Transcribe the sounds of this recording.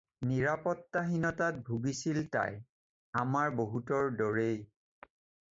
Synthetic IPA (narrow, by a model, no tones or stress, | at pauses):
niɹapɔtːaɦinɔtat̚bʱuɡisilta̰j | amaɹboɦutɔɹdɔɹej